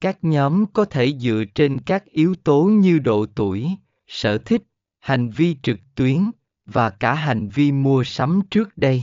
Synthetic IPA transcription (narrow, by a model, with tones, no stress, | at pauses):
kaː˦˥k̚ɲɔ˨˦mkɔ˨˦t̪ʰe˧˩zɨ̰˧˨ət͡ɕe˧nkaː˦˥k̚ʔi˨˦əwt̪o˨˦ɲɨ˧ɗo̰˧˨t̪u˧˩əj | sə̰ː˧˩t̪ʰï˦˥k̟̚ | ha˨˩jŋ̟vi˧t͡ɕɨ˨˩k̚t̪wi˨˦ən | vaː˨˩kaː˧˩ɦa˨˩jŋ̟vi˧mu˧əsa˨˦mt͡ɕɨ˦˥ək̚ɗə˧j